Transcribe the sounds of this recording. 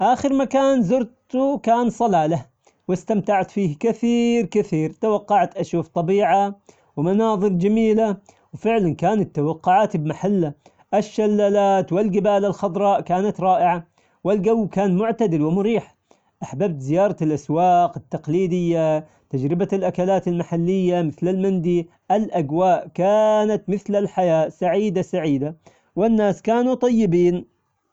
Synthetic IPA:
ʔaːxɪɾmakaːnzʊɾt̪ukaːnsˤɑlaːla | wɪst̪amt̪aʕat̪fiːhkɪθiːɾkɪθiːɾt̪awɑqːɑʕt̪ʔaʃwaft̪ˤɑbiːʕa | wmanɑːðˤɨɾd͡ʒamiːla | wfɪʕlankaːnat̪ːawɑqːʊʕaːt̪bmaħalːa | ʔɪʃːalːaːlaːt̪wɪlɡɪbaːlalxɑd̪ˤɾˤɑːʔkaːnat̪ɾˤɑːʔɪʕa | wɪlɡawːkaːnmʊʕt̪ad̪ɪlwɪmʊɾiːħ | ʔaħbab̚t̪zɪjɑːɾˤɑlʔaswɑːqɪt̪ːɑqliːd̪ɪjːa | t̪ad͡ʒɾɪbalʔakalaːt̪ɪlmaħalːɪjːamɪθlɪlmɪnd̪i | ʔɪlʔaɡwaːʔkaːnat̪mɪθlalħajaːʔsaʕiːd̪asaʕiːd̪a | wɪnːaːskaːnut̪ˤɑjːɪbiːn

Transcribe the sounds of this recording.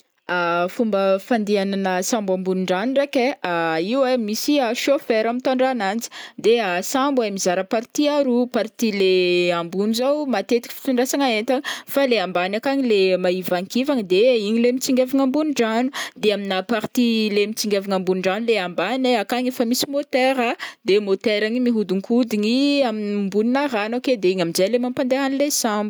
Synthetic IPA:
afumbəfand̪iananəsãmbambunuɳɖ͡ʐanurekeaiwemisiaʃofɛɾamit̪aɳɖ͡ʐanand͡zi̥d̪easambwamizaɾəpaɾt̪iaɾupaɾt̪ileambunuzawmat̪et̪i̥kfi̥t̪uɳɖ͡ʐasaŋaent̪aŋifaleambanakaɲilemaivaŋkivaŋid̪eiɲilemit͡siŋɡʲeviŋambunuɳɖ͡ʐanud̪eaminapaɾt̪ilemit͡siŋɡʲaviŋambunuɳɖ͡ʐanuleambaneakaɲefamisimot̪eɾad̪̥emot̪eɾaŋimiɦud̪uŋkʰud̪iɲiaminmbuninaɾanoked̪eiɲamid͡ʒelemampand̪eɦanilesãmbu

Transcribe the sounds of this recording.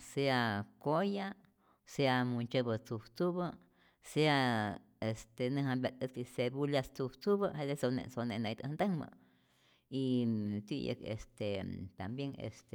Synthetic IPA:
seakoja | seamunt͡ʃəbət͡suβt͡suβə | sea | est̪enɨ̃ɦambat̪ʼət͡sisebuljast͡subt͡suβəhed̪esonḛsoneʔnajt̪ənd̪əŋmə̰ | it̪ḭjə̰kḛst̪et̪ambjeŋḛst̪e

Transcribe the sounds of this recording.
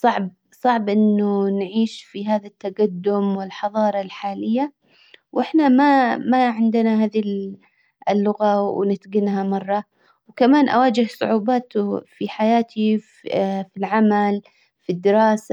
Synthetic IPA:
sˤɑʕb̚ | sˤɑʕbʔɪnːʊnʕiːʃfiɦaːðat̪ːaɡad̪ːʊmwɪlħɑðˤɑːɾˤɑlħaːlɪjːa | wʔɪħnamamaʕɪnd̪ɪnaɦaːði | ɪlːʊɣawnɪt̪ɡɪnhamɑrˤːɑ | wkamaːnʔa̰waːd͡ʒɪhsˤʊ̰ʕuːbaːt̪ufiħajaːt̪ʰi | filʕamal | fid̪ːɪɾɑːsa

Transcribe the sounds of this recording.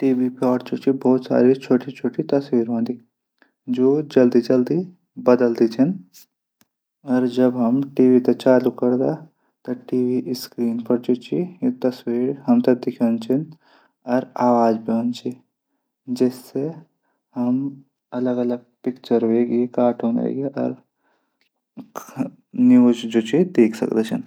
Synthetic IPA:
ʈiːʋipaːʈt͡ʃut͡ʃʰibɔːt̪sa̰ːɾit͡ʃʰoːʈit͡ʃʰoːʈit̪ɐswiːɾɦõːnd̪i | d͡ʒoːd͡ʒɐld̪id͡ʒɐld̪i | bɐd̪əld̪it͡ʃʰin | ɔːɾd͡ʒɐbɦɐmʈiːʋit̪et͡ʃaːlukɐɾd̪a | t̪ɐʈiːʋiʔskɾiːnpɐɾt͡ʃut͡ʃʰijd̪ɐswiːɽɦɐmt̪ɐd̪ɪkʰant͡ʃʰin | ɔɾaːʋaːd͡ʒbiɦõnt͡ʃʰi | d͡ʒɛːsːe | ɦɐm | ɐləɡɐləɡ̚pɪkt͡ʃəɾʋeːɡekaːʈʰɦõːnḛːɡeʔɔ̰ːɾ | niuːd͡ʒd͡ʒoːt͡ʃid̪eːkʰsɐ̰kd̪et͡ʃʰə̰n

